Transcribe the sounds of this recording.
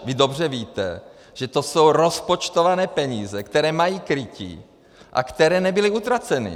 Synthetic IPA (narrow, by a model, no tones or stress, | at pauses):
vɪdo̞br̝ɛviːt̪ɛ | ʒ̥ɛt̪o̞so̞wɾo̞spot͡ʃt̪o̞vanɛːpɛɲiːzɛkt̪ɛɾɛːmajiːkɾɪcḭ | ʔa̰kt̪ɛɾɛːnɛbɪlɪut̪ɾat͡sɛnɪ̰